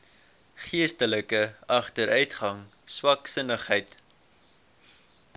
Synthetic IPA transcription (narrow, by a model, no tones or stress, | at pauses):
χiəstələkəɐχtəɾœɥtχɐŋ | swɐksənəχɦɛjt